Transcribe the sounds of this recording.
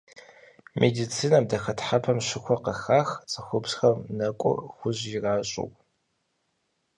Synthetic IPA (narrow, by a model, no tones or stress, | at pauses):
mʔedit͡sʰiːnɐmdɐxɐtħapʰɐmɕɪxʷɔqɐxaːxt͡sʼɐxʷʊbsxɐmnɐkʷʼʊ̰rxʷʊʑɪraːɕʼɪ̰w